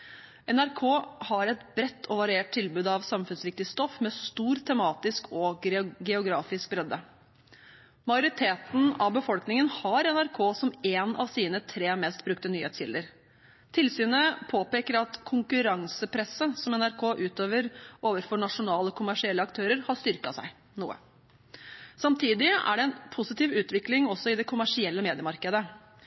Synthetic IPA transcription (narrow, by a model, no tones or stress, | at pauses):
ɛnæɾkʰoːhɑɾɛt̪bɾɛt̪ʰːɔʋɑɾʏeːʈ̚t̪ʰɪlbʉːd̪ɑʋsɑmfʉnsɾɪk̚t̪ɪst̪ɔfmɛst̪uːɾt̪ʰɛmɑːt̪ɪskʰɔɡɛʊɡɾɑːfɪsk̚bɾɛd̪ːə | mɑɪjʊɾɪt̪ʰeːt̪n̩ɑ̰ʋbəfɔlknɪŋənhɑɾɛnæɾkʰoːsɔmeːnɑ̰ʋsiːnət̪ʰɾeːmɛst̪̚bɾʉk̚t̪ənyːhḛːt̪sçɪ̰ld̪əɾ | t̪ʰɪlsyːnəpʰoːpeːkəɾɑt̪kʰʊŋkʉɾɑŋsəpʰɾɛsəsɔmɛnæɾkʰoːʔʉːt̪øːʋəɾoːʋəɾfɔɳɑʂʊnɑːləkʰʊmæʂɪɛlːəɑkt̪ʰøːɾəɾhɑʂt̪ʏɾkɑsæ̰ɪ | nṵːə̰ | sɑmt̪ʰiːd̪ɪæ̰ɖɛɛnpʰʊsɪt̪iːʋʉːt̪ʋɪklɪŋɔsːɔɪd̪ɛkʰʊmæʂɪɛlːəmeːd̪ɪəmɑɾkəd̪ə